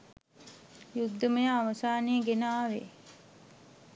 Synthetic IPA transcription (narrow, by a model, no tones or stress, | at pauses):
juɡd̪əməjəaʋəsaːnejəɡenaːʋe